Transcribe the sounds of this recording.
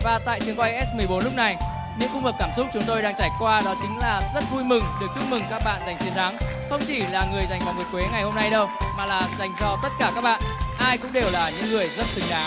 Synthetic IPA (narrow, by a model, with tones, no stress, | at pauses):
vaː˨˩t̪a̰ː˧˨jt͡ɕi˧əŋkwa˧jʔɛ˦˥s̚mɨ˨˩əjɓo˨˦nlʊ˦˥k͡p̚na˨˩j | ɲɨ̰˧˥ŋkʊ˧ŋ͡mhəː˨˩p̚kaː˧˩msʊ˦˥k͡p̚t͡ɕʊ˨˦ŋ͡mt̪o˧jɗaː˧ŋt͡ɕaː˧˩jkwaː˧ɗɔ˨˦t͡ɕï˨˦ŋ̟laː˨˩zə˦˥t̚vu˧jmɨ˨˩ŋɗɨ˨˩ək̚t͡ɕu˦˥p̚mɨ˨˩ŋkaː˦˥k̚ɓa̰ː˧˨nza˨˩jŋ̟t͡ɕi˨˦nt̪ʰa˨˦ŋ | xə˧wŋ͡mt͡ɕi˧˩laː˨˩ŋɨ˨˩əjza˨˩jvaː˨˩wmo˨˩t̚kwe˨˦ŋa˨˩jho˧mna˧jɗə˧wmaː˨˩laː˨˩za˨˩jŋzɔ˧t̪ə˦˥t̚kaː˧˩kaː˦˥k̚ɓa̰ː˧˨nʔaː˧jkʊ̰˧˥ŋ͡mɗe˨˩wlaː˨˩ɲɨ̰˧˥ŋːŋɨ˨˩əjzə˦˥t̚sɨ˨˦ŋɗaː˨˦